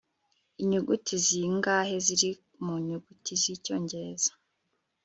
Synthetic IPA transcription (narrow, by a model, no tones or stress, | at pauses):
iɲuɡutiziŋɡaːhe̞ziɾi | muɲuɡutʰizico̞ːɲɟe̞ɾe̞z̥ḁ